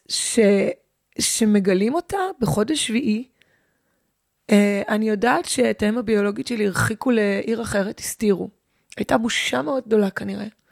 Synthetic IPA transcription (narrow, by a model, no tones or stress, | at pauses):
ʃe̞ | ʃe̞me̞ɡalimo̞tabeχo̞deʃviʔi | eanijo̞daːtʃe̞ːtaemabio̞lo̞ɡiʃeliiʁχikuleʔiʁaχe̞ʁeti̥stiʁu | ajtabuʃame̞o̞d̚ɡ̚do̞lakaniʁe̞